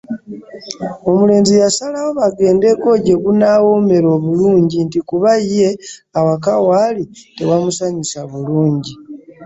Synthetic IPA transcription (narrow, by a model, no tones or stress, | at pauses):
o̞mule̞ːnzijasalawo̞βaɡe̞ːnde̞ko̞ɟe̞ɡunawo̞me̞ɾo̞ːβuluːɲɟintikuβaːe̞awakawalite̞wamusaɲisaβuluːɲɟi